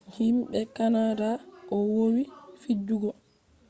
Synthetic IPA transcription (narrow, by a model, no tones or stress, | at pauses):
himɓɛkanadaʔɔwowifid͡ʒːuɡɔ